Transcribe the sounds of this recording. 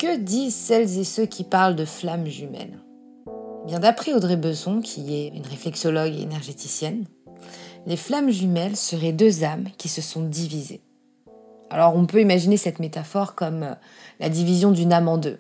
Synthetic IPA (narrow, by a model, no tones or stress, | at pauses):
kəd̪izsɛlzesøkʲʰipaʁld̪əflamʒymɛ̰l | ebjɛ̃d̪apχɛod̪ʁebøzɔ̃kʲʰiɛynʁeflɛksɔlɔɡḛnɛʁʒet̪isjɛn | leflamʒymɛlsəʁɛd̪øzamkʲisəsɔ̃d̪ivizḛ | a̰lɔʁɔ̃pøimaʒinesɛt̪met̪afɔʁkɔm | la̰d̪ivizjɔ̃d̪ynamɑ̃d̪ø